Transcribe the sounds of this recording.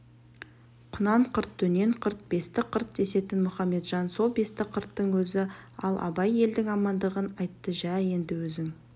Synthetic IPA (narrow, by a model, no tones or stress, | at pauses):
qʰʊnɑɴqʰəɾt̪ːʰɵne̞ɴqʰəɾt̪̚be̞st̪ɪqʰəɾt̪̚d̪e̞se̞t̪ɪnmʊχɑmːe̞t̪ʒɑnso̞lˠbe̞st̪ɪqʰəɾt̪ːəɴwɵzɪɑ̰lˠʔɑ̰bɑje̞ld̪ɪŋɑmɑnd̪əʁənɑjt̪ːəʒæje̞nd̪ɪwɵzɪŋ